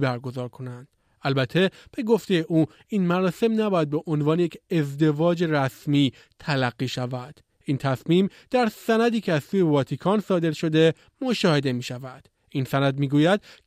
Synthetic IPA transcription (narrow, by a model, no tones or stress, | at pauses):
bæɾɡo̞zɒːɾkʰo̞nænd̪̥ | ælbæt̪ʰːe̞b̥e̞ɡo̞ft̪e̞je̞ʔuː | ʔiːnmæɾɒːse̞mnæbɒːjæd̪̚be̞ʔo̞nvɒːnejecʰe̞zd̪e̞vɒːd͡ʒe̞ræsmiː | t̪ʰælæɡːiːʃævæd̪̥ | ʔiːnt̪ʰæsmiːm | d̪̥æɾsænæd̪iːcʰeæz̥suːjevɒːt̪ʰikʰɒːnsɒːd̪e̞ɾʃo̞d̪e̞ | mo̞ʃɒːhe̞d̪e̞miːʃævæd̪̥ | iːnsænæd̪miːɡuːjæd̪̚